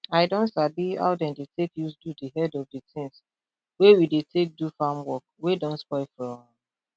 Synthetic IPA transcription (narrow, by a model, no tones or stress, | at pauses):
aɪdɔ̃ntsabia̰ʊdɛ̃ndetʰekjusdudiɦɛdɔvditʰĩŋs | wewidetek̚dufamwɔk̚wedɔ̃ntspɔɪlfɹɔ̃